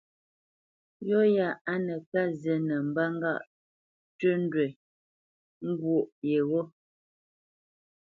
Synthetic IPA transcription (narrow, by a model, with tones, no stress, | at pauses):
jɔ˦ja˨a˦nə˨ka˦zje˨nə˨m̩˨ba˦ŋ˦ɡa̰˦˨ʔ | tə˦n˦dwe˨ | ŋ̩˦ɡwo˨ʔje˨ɣɔ˦